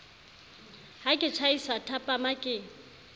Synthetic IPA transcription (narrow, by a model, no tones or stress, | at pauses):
hakʼɪt͡ʃʰaisatʰapʼamakʼɪː